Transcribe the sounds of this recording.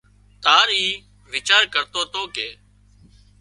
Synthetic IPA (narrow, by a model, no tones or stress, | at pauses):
t̪aːɾiː | ʋɪt͡ʃaːɾkəɾt̪oːt̪oːkeː